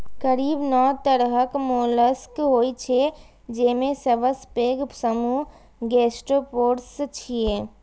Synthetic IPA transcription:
kəɾiːbnɔːt̪əɾɦəkmoːləskɦoːit͡ʃʰe | d͡ʒeːmẽsɐʋəspeːɡsəmuː | ɡeːsʈɾoːpoːɾst͡ʃʰieː

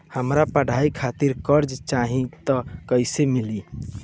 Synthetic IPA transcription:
həmɾapəɽ̤ʱaikʰat̪iɾkəɾd͡ʒt͡ʃaɦĩt̪ɔkəjsemili

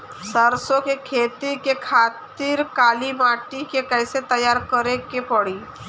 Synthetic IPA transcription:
səɾsõkekʰeːt̪ikekʰaːt̪ɪɾkaːlimaːʈikekɛːset̪ɐjaːɾkəɾekepəɽiː

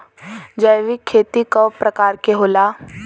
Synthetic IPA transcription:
d͡ʒəjʋikʰːeːt̪ikɔpɾɐkaːɾkeɦoːlaː

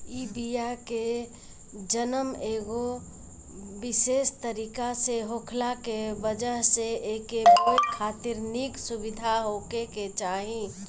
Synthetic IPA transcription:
iːbiake | d͡ʒənəmeːɡo | bɪseːst̪əɾiːkaseɦoːkʰlakebəd͡ʒəɦseeːkebot̪kʰaːt̪ɪɾniksʊbɪd̪ʱaɦoːkeket͡ʃaːɦĩ

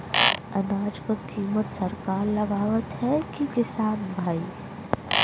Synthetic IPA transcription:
ɐnaːd͡ʒkakiːmət̪sɐɾkaːɾlɐɡaːʋət̪ɦɛkikɪsaːnbʱaːi

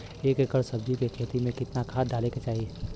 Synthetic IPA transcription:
eːkekəɾsɐbd͡ʒikekʰeːt̪imẽkɪt̪nakʰaːd̪d̪ʱaːleket͡ʃaːɦie

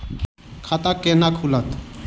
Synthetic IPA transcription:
kʰat̪akenakʰulət̪

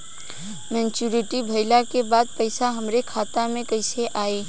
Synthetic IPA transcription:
mɛ̃nt͡ʃuɾiʈibʱəɪlakebaːd̪̚pəɪsaɦəmɾekʰaːt̪amẽkəɪseʔaːe

